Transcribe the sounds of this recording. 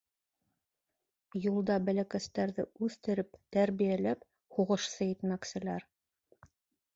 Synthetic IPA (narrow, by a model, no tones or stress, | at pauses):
julˠd̪ɑbælækæst̪æɾðɘ̰ʉθt̪ɘ̆ɾɘpt̪æɾβijælæp | huʁɤ̆ʃsɤjit̪mæksɘ̆læɾ